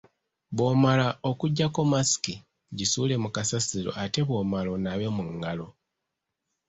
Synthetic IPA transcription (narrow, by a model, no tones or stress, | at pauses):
βwo̞malao̞kuɟːakomasi̥ki | ɟisule̞mukasasiɾo̞̰ʔate̞βwo̞malo̞naβe̞muŋɡalo̞